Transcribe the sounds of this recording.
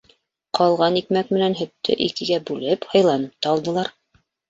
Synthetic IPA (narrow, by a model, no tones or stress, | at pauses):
qʰɑlˠʁɑnikmækmɘ̆nænɦɵ̆t̪ːɘ̰ʔikɘ̆ɡæbʉlɘphɤ̆jlˠɑnɤp̚t̪ɑːlˠd̪ɤ̆lˠɑɾ